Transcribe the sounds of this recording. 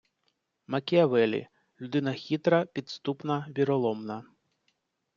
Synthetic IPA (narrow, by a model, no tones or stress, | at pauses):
mɐkʲeɐʋɛlʲḭ | lʲʊd̪ɪnɐxʲit̪ɾɐpʲid̪st̪upnɐʋʲiɾɔlˠɔmnɐ